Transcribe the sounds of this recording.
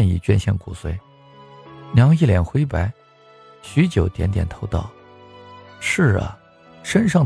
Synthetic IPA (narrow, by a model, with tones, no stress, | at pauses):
ɛ˥˧nḭ˥˩t͡ɕɥɛ˥˧nɕjɛ˥˩nkṵ˨˩swe˧˥ɪ | njɑ˧˥ŋi˥˩ljɛ˨˩nxwe˥ɪpa˧˥ɪ | ɕy˧˥t͡ɕjo˨˩ʊt̪jɛ˧˥nt̪̬jɛ̰˨˩nt̪ʰo˧˥ʊt̪ɑ˥˩ʊ | ʂɻ̩˥˩ə̰˩ | ʂə˥nʂɑ˥˩ŋ